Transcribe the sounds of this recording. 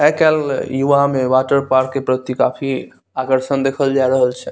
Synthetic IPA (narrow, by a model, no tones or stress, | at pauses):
ɦɛkɛljuamewaʈəɾpaɾkːepɾət̪ikapʰi | akəɾsənd̪ekʰəld͡ʒaɾəɦəlt͡ʃʰɛ